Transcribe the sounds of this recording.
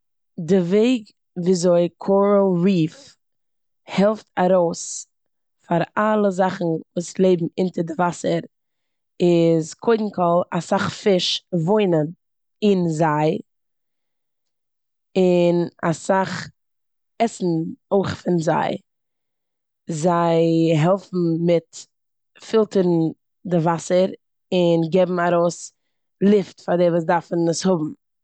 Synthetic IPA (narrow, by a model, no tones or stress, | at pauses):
dɪveɪɡ | viːzoɪkʰɔɾoɾiːf | hɛlˠftaɾoʊs | faɾalˠəzaχn̩vuːslˠeɪbm̩ɪntəɾdɪvasəɾ | ɪzkʰoɪdn̩kʰɔlˠasaχfɪʃvoɪnən | ɪnzaɪ | ɪna̰saχ | ɛsn̩oɪχfɪnza̰ɪ | zaɪɦɛlˠfm̩mɪt | fɪlˠtəɾn̩ | dɪvasəɾ | ɪnɡɛbm̩aɾoʊs | lˠɪftfadɛvuːs̬daɾfn̩əshʊbm̩